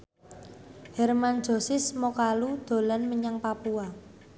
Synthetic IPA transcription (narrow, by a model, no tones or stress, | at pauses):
hɛrmand̥d͡ʒ̥o̤sɪsmokalud̪̥o̤lanməɲaŋpapua